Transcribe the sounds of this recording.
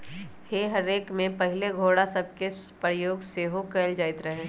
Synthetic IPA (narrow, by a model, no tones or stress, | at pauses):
heɦɐɾeːkmẽpɐɦɪleɡʱoːɽasɐb̚ke | pɾəjoːɡseːɦokeːld͡ʒaːɪt̪ɾɐɦẽː